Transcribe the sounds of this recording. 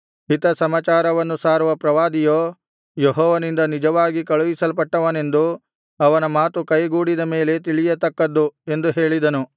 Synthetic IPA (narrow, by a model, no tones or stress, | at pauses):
ɦit̪ɐsɐmaːt͡ʃaːɾɐʋɐnːusaːɾuʋɐpɾɐʋaːd̪ijoː | jeɦɔːʋɐnind̪ɐnid͡ʒɐʋaːɡikɐɭuʋisɐlpɐʈːɐʋɐne̞nd̪u | ɐʋɐnɐmaːt̪ukɐjɡuːɽid̪ɐme̞ːle̞t̪iɭijɐt̪ɐkːɐd̪ːue̞nd̪uɦeːɭid̪ɐnu